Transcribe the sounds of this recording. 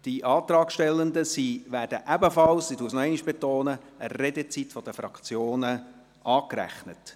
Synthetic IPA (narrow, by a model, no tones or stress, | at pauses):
d̥iʔɑːtɾɑːkʃtɛlːənd̪əsiʋæːɾd̥əʔæbəfɑlssituːəsnɔɛɪniʃb̥etoːnə | ərɛdət͡sitfɔd̥̪əfɾɑkt͡sjoːnə | ʔɑːkræ̰χnət